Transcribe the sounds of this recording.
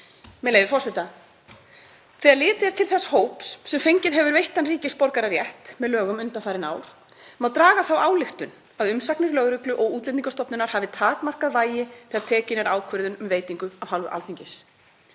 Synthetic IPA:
mɛlejvɪfɔr̥sɛt̪a | θɛːaɾlɪːt̪ɪɛɾ̥t̪ʰɪlθɛsḁhoːwpssɛmfejɲcɪðɦɛvʏɾvejht̪anriːcɪspɔɾkaɾaɾjɛht̪mɛðlœːɣʏmʏnt̪anfaːjɾɪna̰ːwɾ̥ | mawt̪ɾaːɣaθawaːwlɪxt̪ʏn | aðʏmsaknɪɾlœɣɾʏklʏʔɔɣuːt̪lɛt̪niŋkast̪ɔpnʏnaɾ̥haːvɪt̪ʰaːkmar̥kaðvaːjɪθɛːaɾt̪ʰɛːcɪnaɾaːwkʰʏɾðʏnʏmveːjt̪iŋkʏavhalvʏ̰ʔa̰lθiɲcɪs

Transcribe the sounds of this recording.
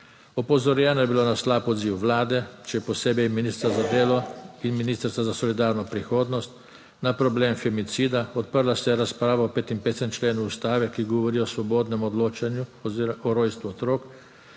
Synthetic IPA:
ɔpɔzɔɾjɛnɔjɛbilonaslaːpɔd̪ziːwʋlaːd̪ɛt͡ʃɛjɛpɔseːbɛjminiːst̪ɾazad̪eːlɔinminiːst̪əɾsazasɔlid̪aːɾnɔpɾixoːd̪nɔst̪ | napɾɔbleːmfɛmit̪siːd̪aɔt̪̚pəɾlasjɛɾaspɾaːʋaɔpeːt̪impeːt̪sɛmt͡ʃleːnuːst̪aːʋɛkiɡɔʋɔɾijɔsʋɔboːd̪nɛmɔd̪loːt͡ʃanjuɔɾoːjst̪ʋuɔt̪ɾoːk

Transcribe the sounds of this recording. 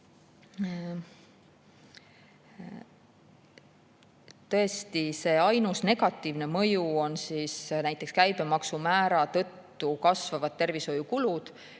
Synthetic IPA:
t̪ɤ̞est̪ise̞ːɑjnusne̞ɡ̥ɑt̪ːˑiːvne̞mɤ̞juo̞nsisnæjt̪ːˑe̞kskæjb̥e̞mɑksumæːɾɑt̪ɤ̞t̪ːukɑsvɑvɑd̪̥̚t̪e̞rviso̞jukulud̪̥

